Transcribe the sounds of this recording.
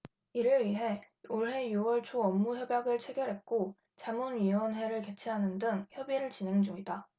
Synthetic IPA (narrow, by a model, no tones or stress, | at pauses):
iɾɯɭɥiɦe̞ | oɭɦe̞juwʌɭt͡ɕʰoʌmːuçjʌbjaɡɯɭt͡ɕʰe̞ɡjʌɾɦe̞k̚k͈o | t͡ɕamunɥiwʌnwe̞ɾɯɭke̞t͡ɕʰiɦanɯndɯŋçjʌbiɾɯɭt͡ɕine̞ŋd͡ʑuŋida